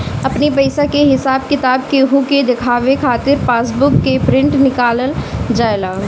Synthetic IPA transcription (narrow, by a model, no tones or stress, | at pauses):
ɐpnipəɪsakeɦɪsaːbkɪt̪aːbkeɦuked̪ɪkʰaːʋekʰaːt̪ɪɾpaːs̬bʊkːepɾɪ̃ɳʈnɪkaːləld͡ʒaːelaː